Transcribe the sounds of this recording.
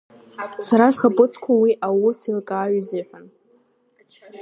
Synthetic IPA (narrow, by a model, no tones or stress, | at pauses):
saɾazχapʼɨt͡sʰʼkʷʰawiʔawʊsilkʼaːɥzɪħʷᶣan